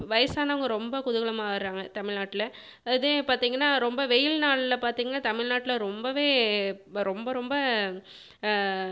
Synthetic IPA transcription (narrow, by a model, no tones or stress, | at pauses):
ʋɐjɐsaːnaːʊŋɡɐɾɔmbɐkʊðʊɣɐɭɐmaːɪɾɾaːŋɡɐt̪ɐmɪɻnaːʈːɪlɐ | ɪðepaːɾt̪iːŋɡɐnːaːɾɔmbɐʋɛjɪlnaːɭlɐpaːɾt̪iːŋɡɐnːaːt̪ɐmɪɭnaːʈːɪlɐɾɔmbɐʋeː | ɾɔmbɐɾɔmbɐ